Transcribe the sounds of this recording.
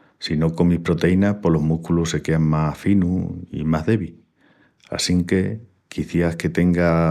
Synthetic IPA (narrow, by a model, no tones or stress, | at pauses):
sino̞ko̞mihpɾo̞t̪e̞inahpo̞lo̞ɦmuhkuluse̞ke̞aŋmafinuḭmaɦðeβi | a̰siŋke̞ | kiθjahke̞t̪e̞ŋɡa